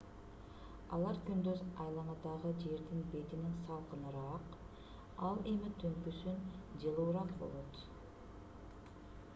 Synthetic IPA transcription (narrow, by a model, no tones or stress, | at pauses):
ɑ̰lˠɑɾkynd̪øzɑjlˠɑɴɑd̪ɑʁəd͡ʒe̞ɾd̪inbe̞t̪ininsɑlˠqənɯɾɑq | ɑlˠe̞mit̪ʰøŋkysynd͡ʒɯlˠuːɾɑqbo̞̰lˠo̞t̪